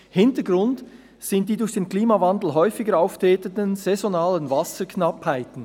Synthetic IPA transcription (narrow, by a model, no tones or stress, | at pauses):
hɪntəɡʁʊnt | sɪnt̚d̥iːdʊɾçd̥eːnkliːmavɑndl̩ɦɔʏfɪɡəɾaʊftʰeːtətənzɛzonaːlənvɑsəkʰnɑphaɪtn̩